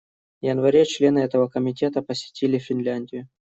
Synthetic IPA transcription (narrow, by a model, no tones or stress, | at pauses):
jənvɐɾʲet͡ɕlʲe̞nɨɛt̪əvəkəmʲɪtʲe̞t̪əpəsʲɪ̥tʲilʲɪfʲɪnlʲanʲdʲɪjʊ